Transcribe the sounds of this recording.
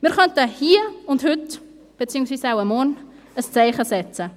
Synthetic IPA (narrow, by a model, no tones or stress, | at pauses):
miɪrχœntəhiəʊnthʉt | b̥ət͡siːʊŋsʋiːsawəmɔn | əst͡sɛjχəsɛt͡sə